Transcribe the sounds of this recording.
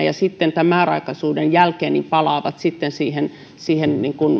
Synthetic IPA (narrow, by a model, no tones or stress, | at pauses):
jɑsit̪ːent̪æmæˑrɑ̰ikɑsuːdenjælkeːnːimpɑlɑˑːʋɑt̪sit̪ːensiːhen | siːhenniŋkun